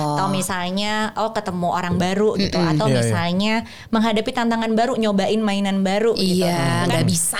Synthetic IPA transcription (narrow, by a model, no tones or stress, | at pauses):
at̪awmisalɲaɔkət̪əmuʔoɾaŋbaɾuɡit̪uat̪awmisalɲa | məŋɦadapit̪ant̪aŋanbaɾuɲobaʔɪnmainanbaɾuʔɡiaŋɡabisa